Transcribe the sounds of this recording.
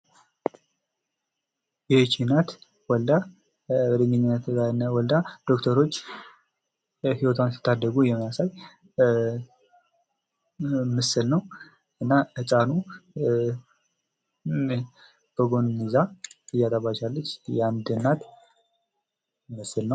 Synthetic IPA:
jɛt͡ʃinat̪ | wɔld̪a | bəd̪ɨɲɨɲːɪnːət̪ʰzanːawɔld̪ad̪̥o̞kt̪ʰəɾo̞t͡ʃː | hiwɔt̪ʰansi̥t̪ʰːad̪ːəɡujɛməjasaj | mɨsɨlnəw | ʔɨnːaɨt͡ʃʼanu | b̥əɡo̞nnizaɨjat̪ʼaβat͡ʃalːət͡ʃːjand̪ɨnːat̪ | məsɨlnəw

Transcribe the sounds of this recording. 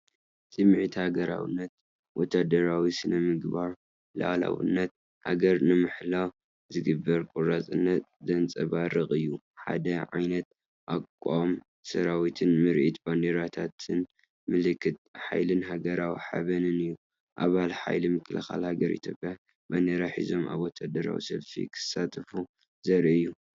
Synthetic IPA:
sʼɨmʕit̪haɡɐɾa̰wɨ̰nːɐt̪̚ | wɔt̪ʰːad̪ɐɾawisɨnɐmɨɡbaɾ | la̰la̰wḭnːɐt̪̚ | ha̰ɡɐɾnɨmɨħlaw | zɨɡɨbːɐɾkʼuɾat͡sʼɨnːɐt̪d̪ɐnt͡sʼɐβaɾɨχʼɨjːu | ħa̰d̪ɐʕa̰jnɐt̪̚ | ʔakʼːam | sɐɾawit̪ʰɨnmɨɾʔit̪band̪eɾat̪ʰat̪ʰɨn | mɨlɨkʰːɨt̪ħa̰jlɨnɦaɡɐɾawiħa̰βɐnɨnɨjːu | ʔaβalħa̰jlimɨkʰlɨxa̰lhaɡɐɾḭt̪ʰjo̞pʼja | band̪eɾaħḭzo̞ma̰βwot̪ʰad̪ɐɾa̰wḭsɐlfḭkʰɨ̥sːat̪ʼʰfu | zɐɾiɨjːu

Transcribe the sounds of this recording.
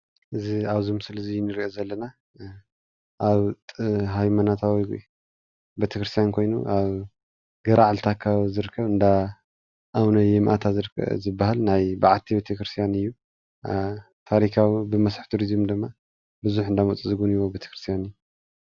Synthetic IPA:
ʔɨziaβzɨmɨsɨlɨzijːnɨɾiʔozɐlːɐna | ʔaβʼɦajmanat̪ʰawi | bet̪ʰɐkɾɨst̪ijankʰo̞jnṵʔaβ | ɡɐɾʔaʕalt̪ʰakʰaβzɨɾɨkʰːɐβɨnd̪a | ʔawnɐjɛmʔat̪ʰazɨɾ̰zɨbːaɦalnajbaʕat̪ʰibet̪ʰɐkɾɨst̪ʰjanɨjːu | t̪ʰaɾikʰawibɨmɐsħt̪ʰuɾizmd̪ɨmːa | bɨzuħɨnd̪amut͡sʼizɨɡuniwobet̪ʰɐ̥kɾɨst̪ʰijanɨjːu

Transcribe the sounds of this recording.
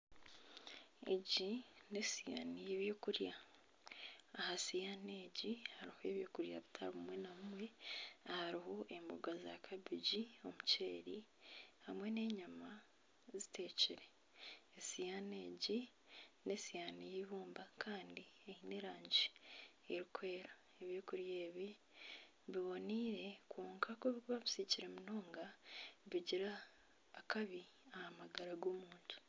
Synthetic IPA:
ḛɟine̞sija̰ːnijeβjoːkuɾja | hasijaneːɟihaɾihoe̞βjoːkuɾja̰βitʰa̰ɾumwe̞namumwe̞haɾiɦo̞ʔe̞mbuɡaza̰kʰabiɟio̞muceːɾihamwe̞ne̞ːɲama | zitʰe̞ːciɾeː | sijaneːɟi | ne̞sijanijiβuːmbakʰaːndieine̞ɾaːɲɟi | eɾikwe̞ːɾa | eβjoːkuɾje̞ːβi | βiβo̞niːɾe̞kʰoːŋkʰakoβikβaβusiciɾe̞muno̞ːŋɡaβiɟiɾaː | kaβi | ahamaɡaɾaɡoːmuːntʰu̥

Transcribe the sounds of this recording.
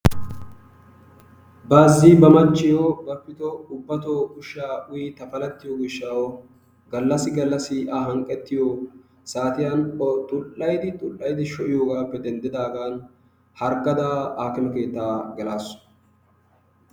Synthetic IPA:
baːzːiːbɐmɐt͡ʃːɪjoːɡɐpːɪt̪ɔʊbːɐt̪oɡʊʃːaːʔʊjit̪ɐfɐlɛt̪ːɪjoːɡɪʃːawɔ | ɡɐlːɐsɪɡɐlːɐsɪʔaːɦɐŋkʼːɛt̪ːɪjo | saːt̪ɪjaːnt̪ʼʊlːɐjd̪ɪt̪ʼʊlːɐjd̪ɪʃɔʔɪjoːɡaːpːɛd̪ɛnd̪ɪd̪aːɡaːn | hɐɾɡɐd̪aːaːkɪnɐke̞ːt̪ːaːɡɛlaːsʊ̥

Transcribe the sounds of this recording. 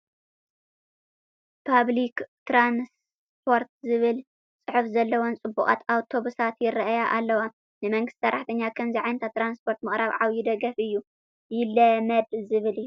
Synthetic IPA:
pʰaβlikt̪ɾans | pʰo̞ɾt̪zɨβɨl | t͡sʼɨħufzɐlːɐwo̞nt͡sʼɨbːṵχʼa̰t̪awt̪ʰo̞βusat̪jɪɾɐʔajaʔalːɐwa | nɨmɐŋɡɨst̪sɐɾːaħt̪ʰɐɲːakʰɐmziʕajnt̪ʰat̪ɾanspʰo̞ɾt̪mɨχʼɾaβʕawjid̪ɐɡɐfɨjːu | jɪlɐmɐd̪zɨβɨlɨjːu

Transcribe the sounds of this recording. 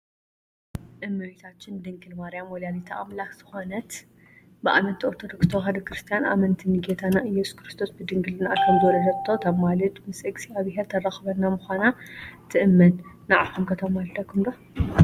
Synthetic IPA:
ʔɨmːɨit̪ʰat͡ʃːɪnd̪ɨŋɡɨlmaɾijamwɔljalit̪ʰaʔamlakz̥ɨ̥xonɐt̪ | bɨʔa̰mɐt̪ʰːiʔoɾt̪ʰo̞d̪okst̪ʰoɦad̪ɐkɾɨst̪ʰijanʔa̰mɐnt̪ʰiniɡet̪ʰanaʔɨjɛsu̥kɾɨst̪ʰo̞sbɨd̪ɨŋɡɨlɨna̰kʰɐmzɨwɔlɐd̪ɐt̪ʰːot̪ʰɐβmalɐt̪mɨsʔɨɡsiaβɨɦeɾt̪ʰɐraxɨβɐnːamʊxʷanat̪ʰɨʔɨmːɐnː | aʕaβkʰumkʰɐt̪ʰɐmalt̪ʰɐkʰːumd̪o

